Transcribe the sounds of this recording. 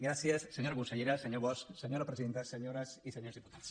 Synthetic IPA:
ɡɾasiesːeɲoɾɣusaʎeɾaseɲoɾβost̪seɲoɾapɾesiðent̪aseɲoɾasiseɲoezðiput̪aðs

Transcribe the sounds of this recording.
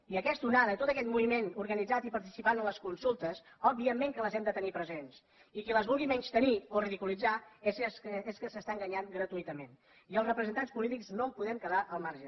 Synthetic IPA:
iəkɛst̪unaðət̪ot̪əkɛt̪muβimenuɾɣənid͡zat̪ipəɾt̪isipanənləskunsulˠt̪əs | ɔbiəmeŋkələzɛmd̪ət̪ənipɾəzens | ikələzβulˠɣimɛɲst̪ənioriðikulid͡zasseskəsəst̪aŋɡəɲaŋɡɾət̪uit̪əmen | iəlˠzrəpɾəzənt̪anspulit̪ikznompuðɛmkəðaʔəlˠmaɾʒə

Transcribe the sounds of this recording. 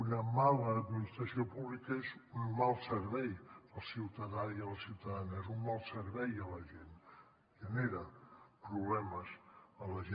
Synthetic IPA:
unəmaləːd̪minist̪ɾəsiopuβlikəezunmalˠsəɾβɛjəlˠsiwt̪əðaiəðəsiwt̪əðanezunmalˠsəɾβɛjələʒen | ʒ̥əneɾəpɾuβlɛməzələʒe

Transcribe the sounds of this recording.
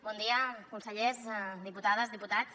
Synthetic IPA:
bɔnd̪iəkunsəʎezd̪iput̪að̞əzðiput̪at͡s

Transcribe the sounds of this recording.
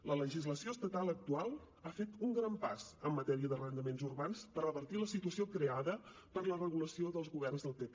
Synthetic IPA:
lələʒizləsioəst̪ət̪alˠək̚t̪ualˠ | afet̪uŋɡɾampaz̥əmːət̪ɛɾiəðərənd̪əmenzurβanspəɾəβərt̪iləsit̪uəsiokɾeaðə | pəɾlərəɣuləsioðəlˠzɣuβɛrnzðəlˠpepe

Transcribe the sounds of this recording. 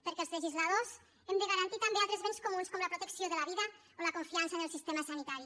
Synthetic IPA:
pəɾkɛlzləʒizlað̞oz | emd̪əɣaɾant̪it̪ambealt̪ɾezβenskumunskomləpɾut̪əksioðəlaβ̞iðə | olakuɱfiansaenelˠsist̪emasanit̪aɾi

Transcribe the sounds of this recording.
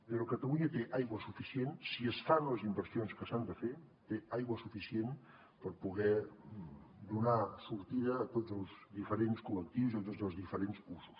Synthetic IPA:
d̪eɾokət̪əluɲat̪eʔajɣwəsufisjensiəst̪anləzimbəɾsionskəsand̪əfe | t̪eajɣwəsufisjen | pəɾpuɣɛ | d̪unasuɾt̪iðəːt̪ozəlˠzðifəɾenskulək̚t̪iwziot̪ozəlzðifəɾensusu̥s

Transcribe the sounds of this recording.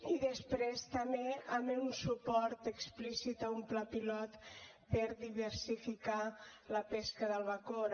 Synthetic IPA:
iðəspɾest̪əmeameunsupɔɾt̪əksplisit̪aumplapilɔt̪ | pəɾðiβəɾsifikaləpeskəðəlˠβakoɾ

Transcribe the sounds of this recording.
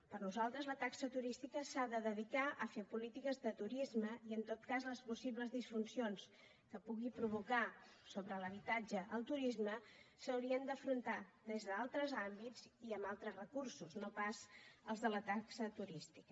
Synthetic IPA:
pəɾnuzalˠt̪ɾəzlət̪aksət̪uɾist̪ikəsaðəðəðikaʔəfepulit̪ikəzðət̪uɾizməiənt̪ot̪kazləspusiβləzðisfunsions | kəpuɣipɾuβ̞uka | soβɾələβ̞it̪ad͡ʒəʔəlˠt̪uɾizməsəwɾiənd̪əfɾunt̪ad̪ezðəalˠt̪ɾəzambiziəmbalˠt̪ɾəzrəkursuznopazəlˠzðələt̪aksət̪uɾist̪i̥kə

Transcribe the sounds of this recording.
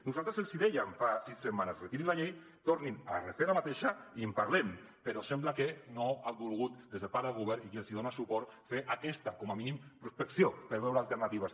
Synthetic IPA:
nuzalˠt̪ɾəselˠsiðɛʎamfasissemanasret̪iɾilaʎej | t̪oɾnina̰refeɾlamat̪eʃaiempaɾlem | peɾɔsemblakenoambulˠɣut̪̚d̪ezðelpaɾðelɣuβɛɾikielsiðonasupɔɾt̪feʔakɛst̪akɔmaminimpɾuspeksiopəɾβɛwɾaːlˠt̪əɾnat̪iβas

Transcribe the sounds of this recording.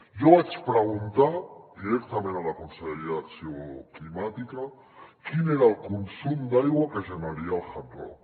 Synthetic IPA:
joat͡ʃpɾeɣunt̪ad̪iɾek̚t̪amẽnalakonselɾasjoklimat̪ika | kineɾaelkunsumd̪ajɣwakeʒanaɾialxant̪ɾo̰

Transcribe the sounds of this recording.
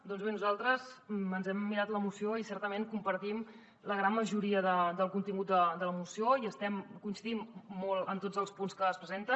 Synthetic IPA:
d̪ɔnzβenuzalˠt̪ɾəzənzɛmːiɾat̪ləmusioisɛɾt̪əmeŋkumpəɾt̪im | ləɣɾanməʒuɾiəðəd̪əlˠkunt̪iŋɡut̪̚d̪əd̪ələmusioiəst̪ɛmkunsiðimːɔlˠənt̪od͡zəlˠspunskəːspɾəzent̪ə

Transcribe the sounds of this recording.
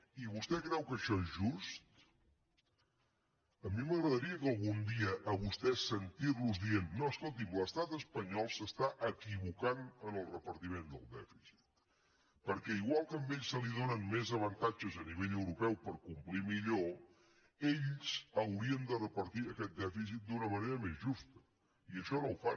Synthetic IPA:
iβust̪ɛkɾɛwkəʃɔezʒust̪ | əmiməɣɾəðəɾiəkəlˠɣund̪iəʔːβust̪ɛsənt̪irluzðienːɔəskolˠt̪̬imləst̪at̪əspəɲɔlˠsəst̪aʔəkiβukanənəlˠrəpəɾt̪imend̪ə̰lˠd̪ɛfisi̥t̪ | pəɾkɛiɣwalˠkəəmbeʎsːəliðonənmezəβ̞ənt̪ad͡ʒəzəniβeʎəwɾupɛwpəɾkumplimiʎo | eʎzəwɾiənd̪ərəpəɾt̪iəkɛt̪̚d̪ɛfis̬it̪̚d̪unəməneɾəmezʒust̪ə̥ | iəʃɔnowfa

